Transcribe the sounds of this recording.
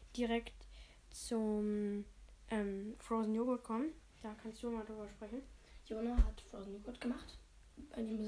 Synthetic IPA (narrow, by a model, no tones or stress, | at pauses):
d̥iʁɛkt | t͡sʊm | ʔɛmfʁ̥oʊzn̩joɡot̚kʰɔmənd̥aːkʰanstd̥umadʁyːbɐʃpʁ̥ɛçn̩joːnahatfʁ̥oːzn̩joːɡʊtɡ̥əmaχt | ʔaɪŋɪçmʊ